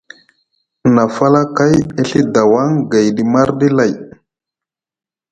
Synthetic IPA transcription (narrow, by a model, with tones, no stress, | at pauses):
na˨fa˦la˦ka˦je˦ɬi˦da˨wa˦ŋɡa˨jɗi˨ma˦ɾɗi˦la˨j